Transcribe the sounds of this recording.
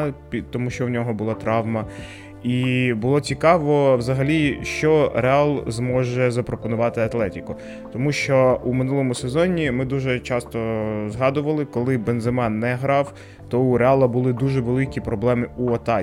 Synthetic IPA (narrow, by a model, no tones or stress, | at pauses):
pʲit̪ɔmuʃt͡ʃɔwnʲɔɦɔbʊlˠɑt̪ɾɑwmɐ | ibʊlˠɔt͡sʲikɑʋɔwzɐɦɐlʲiʃt͡ʃɔɾeɑlˠzmɔʒɛzɐpɾɔpɔnʊʋɑt̪ɪɐt̪lˠɛtʲikʊ | t̪ɔmuʃt͡ʃɔumɪnulˠɔmʊsezɔnʲːimɪd̪uʒɛt͡ʃɑst̪ɔzɦɑd̪ʊʋɐlˠɪkɔlˠɪbenzemɑnːɛɦɾɑw | t̪ɔuɾeɑlˠɐbʊlˠɪd̪uʒɛʋelˠɪkʲipɾɔblˠɛmɪuɐt̪ɑ